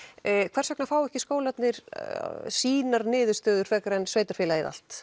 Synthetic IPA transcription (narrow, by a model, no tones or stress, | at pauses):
kʰvɛrsœknafaːwɛhcɪskoːwlat̪nɪɾ̥ | siːnaɾnɪːðʏɾ̥st̪œːðʏɾ̥fɛkaɾɛnsveːjt̪aɾ̥fɪːlaiða̰l̥t̪